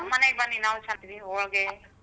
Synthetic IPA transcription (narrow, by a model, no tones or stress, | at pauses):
mɐneɡbɐnːinaːʋut͡ʃɐnt̪id̪iɔɭɡe